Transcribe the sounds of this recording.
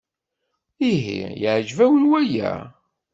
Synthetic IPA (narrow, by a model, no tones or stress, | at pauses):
iɦḭjəʕʒvæwlwæjæ̰